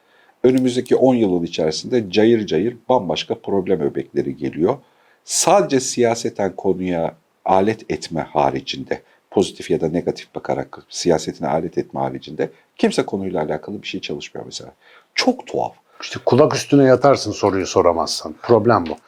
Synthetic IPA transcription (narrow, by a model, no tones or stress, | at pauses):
ø̞nymyzd̪ecʰiʔo̞njɯlˠɯnit͡ʃʰæɾsind̪ɛd͡ʒajɯɾd͡ʒajɯɾbanbaʃkʰapʰɾo̞blʲæmøbɛclʲe̞ɾiɟe̞̰lʲijo̞ | saːd̪e̞d͡ʒɛsijaːset̪ʰænkʰo̞nuja | aːlʲɛt̪ʰɛt̪mɛ̰ha̰ːɾid͡ʒind̪ɛ | pʰo̞zit̪ʰifjad̪ane̞ɡat̪ʰi̥fb̥akʰa̰ɾa̰ksijaːse̞t̪ʰinɛ̰a̰ːlʲɛt̪ʰɛt̪̚mɛha̰ːɾid͡ʒind̪ɛ | cʰimsɛkʰo̞nujlˠaːlʲaːkʰalˠɯbiʃe̞jt͡ʃʰalˠɯʃmɯjo̰meselʲaː | t͡ʃʰo̞kt̪ʰo̰a̰v | iʃt̪ʰɛkʰulˠakyst̪ʰynɛjat̪ʰaɾsɯnso̞ɾujuso̞ɾamasːɯnpʰɾo̞blʲæmbu